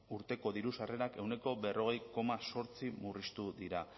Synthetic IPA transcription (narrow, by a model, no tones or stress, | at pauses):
uɾt̪e̞ko̞ðiɾusare̞ɾake̞wne̞ko̞be̞rʔo̞ɣ̞e̞jko̞maso̞ɾt͡simurist̪uðiɾa